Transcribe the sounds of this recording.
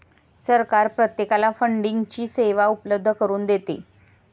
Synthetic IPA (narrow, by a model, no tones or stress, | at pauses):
səɾkaɾpɾət̪jekalafəɳɖiŋɡt͡ɕiːseʋaupləb̚d̪ʱːəkəɾuːnd̪et̪ḛ